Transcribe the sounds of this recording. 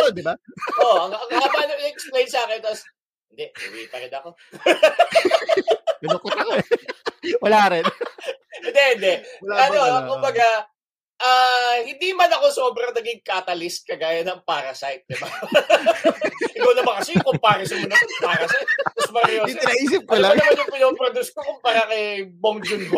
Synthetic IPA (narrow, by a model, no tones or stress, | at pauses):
od̪ɪbaʔoɐŋɐŋaːbaʔɐnɐɪɛksplejnsaːkɪnt̪ɐs | hɪnd̪ɛʔḭwḭpɐɾɪnɐko̞ | wɐlaːɾɛn | ɪnd̪ɛhɪnd̪ɛɐnokʊmbɐɡa | ʔaːhɪnd̪imɐnɐko̞so̞ːbɾɐŋnɐɡɪŋkat̪ɐlɪst̪̚kɐɡaːjɐnɐŋpaːɾɐsajt̪̚d̪ɪba | ʔɪkɐwnɐbakɐsɛjkʊmpaːɾɐsɪmʊnɐkʊŋpaːɾɐsajt̪̚ːɐspɐɾɐjoɪnɐiːsɪp̚kɐlɐmanjʊŋpɪnoːpɾod̪uskokʊmpaːɾɐkɐjboŋd͡ʒʊnb